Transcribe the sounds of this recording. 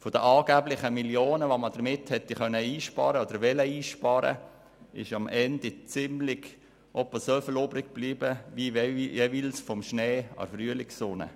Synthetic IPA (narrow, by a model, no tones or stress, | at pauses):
fod̥əʔɑːɡ̥æːblɪχəmiljoːnəʋoməd̥əɾmɪthɛtːiχœnːəiːʃpɑ̰ːɾəod̥əɾʋɛləiːʃpɑːɾə̰ | ɪ̰ʃɑmʔɛndit͡sɪmlɪɡ̥ | ʔɔpəsøfəloːbɾɪɡ̥̚b̥liːbəʋijɛvilsfɔmʃneːɑ̰fryəlɪksʊnə̰